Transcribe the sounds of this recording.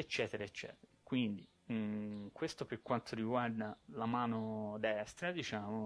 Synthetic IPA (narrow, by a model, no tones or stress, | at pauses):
et͡ʃːɛːt̪eɾaet͡ʃːɛ̰ːt̪eɾakwind̪i | kwest̪opeɾkwant̪ʰoɾiɡward̪alamaːnod̪ɛst̪ɾad̪it͡ʃaːmo